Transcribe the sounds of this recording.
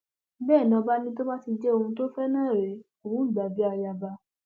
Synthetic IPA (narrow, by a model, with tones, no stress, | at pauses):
bɛː˦˨nã˨˧ba˦nĩ˦to˦mã˦ti˧d͡ʒɛ˦o˧hũ˧to˦fɛ˦nãː˦˨ɾɛ˨˦ | o˨ɾũ˨˦i˦˨ɡ͡ba˨bi˦a˧ja˧ba˧˦